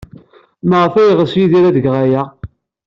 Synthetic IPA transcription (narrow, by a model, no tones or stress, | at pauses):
məʁəfæjʁəsjiðiɾæðəɡʁaja